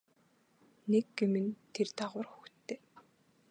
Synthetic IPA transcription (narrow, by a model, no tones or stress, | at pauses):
nekɡemɘ̆nt̪ʰert̪ʰaʁwə̆rxu̥xtt̪ʰːeː